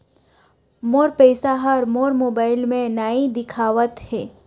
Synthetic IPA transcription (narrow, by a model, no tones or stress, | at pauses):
moːɾpeɪsaɦɐɾmoːɾmoːbaːɪlmẽnaːid̪ɪkʰaːʋət̪hɛː